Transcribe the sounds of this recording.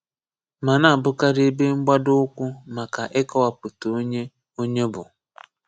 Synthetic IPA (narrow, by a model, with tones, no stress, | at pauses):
ma˨na˨bʊ˦ka˦ɾɪ˦be˦ŋ͡m̩˦ɡ͡ba˦dʊ˦kʷʊ˦ma˨ka˨ʔɪ˦kɔ˦wa˨pʊ˨tu˨˦ɲe˦ | o˦ɲe˦bʊ˨